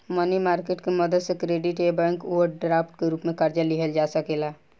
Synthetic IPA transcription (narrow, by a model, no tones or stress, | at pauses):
mɐnimaːɾkeːʈkemɐd̪əd̪sekɾeːɖiʈebɛ̃ŋkoʋəɾɖɾaːpʈkeɾuːpmẽkəɾd͡ʒəliɦəld͡ʒaːsəkeːla